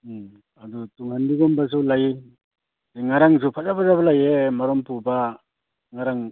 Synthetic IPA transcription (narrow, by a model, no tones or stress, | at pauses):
adutuŋhandiɡɔmbas̬ulaj | diŋaɾaŋzupʰazabazabalajemaɾɔmpuba | ŋaɾaŋ